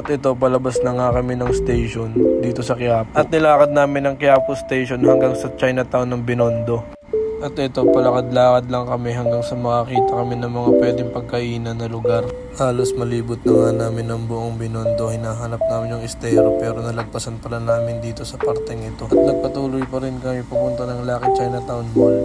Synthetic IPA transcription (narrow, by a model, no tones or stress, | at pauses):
ʔɐt̪ʔɛt̪o̞pɐlɐbasnɐŋakɐmɛnɐŋst̪ɛjʃond̪iːt̪o̞sɐkɪaːpʔɐt̪nɪlaːkɐd̪̚naːmɪnɐŋkɪaːpost̪ɛjʃonhɐŋɡaŋsɐt͡ʃajnɐt̪awnːɐŋbɪno̞nd̪o̞ | ʔɐt̪ɛt̪o̞pɐlɐkɐd̪laːkɐd̪lɐŋkɐmɛɦɐŋɡaŋsɐmɐŋɐkiːt̪ɐkɐmɛnɐŋmɐŋapwɛːd̪ɪŋpɐɡ̚kɐʔiːnɐnːɐlʊɡaɾ | haːlo̞smɐliːbʊt̪̚nɐŋanaːmɪnːɐŋbʊʔoŋbɪnond̪o̞hɪnaːɦɐnɐp̚naːmɪnjʊŋɪst̪ɛɾopɛːɾo̞nɐlɐɡ̚pɐsɐnpɐlanaːmɪnd̪iːt̪o̞sɐpɐɾt̪ɛŋɪt̪o̞ʔɐt̪̚nɐɡ̚pɐt̪uːlʊjpɐɾɪnkɐmɪpɐɡ̚pʊnt̪ɐnɐŋlaːkɪd̪̚t͡ʃajnɐt̪awnbol